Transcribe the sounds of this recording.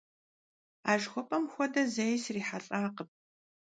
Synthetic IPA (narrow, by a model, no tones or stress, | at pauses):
aːʒxʷɔpʼɐmxʷɔdɐzejsriːħaɬʼaːqəp̚